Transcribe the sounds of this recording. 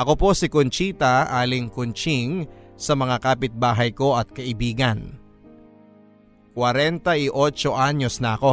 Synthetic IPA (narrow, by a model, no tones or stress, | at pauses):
ʔɐko̞po̞sɪkont͡ʃiːt̪ɐʔaːlɪŋkont͡ʃiŋsɐmɐŋakaːpɪt̪̚baːɦɐjko̞ʔɐt̪̚kɐʔɪbiːɡɐn | kwɐɾɛnt̪ɐʔɪʔo̞t͡ʃo̞ʔaɲo̞snɐʔɐko̞